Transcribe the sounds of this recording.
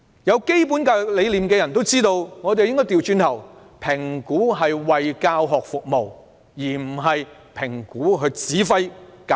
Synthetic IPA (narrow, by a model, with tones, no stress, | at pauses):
jɐ˨˧wke˥jp̬uː˨˥nkaː˧le˨˧jliː˨mkɛː˧jɐ˨˩nt̪o˥wt͡siː˥t̪o˧wŋɔː˨˧t̪e˨jɪ˥ŋkɔ˥jt̪iː˨˩wt͡ʃyː˧nt̪ʰɐ˨˩w | pʰɪ˨˩ŋkuː˨˥ɦɐ˨jwɐ˨jkaː˧wɦɔː˨k̚fʊ˨k̚mo˨w | jiː˨˩m̩˨˩ɦɐ˨j | pʰɪ˨˩ŋkuː˨˥ɦɵ˧t͡siː˨˥fɐ˥jka˨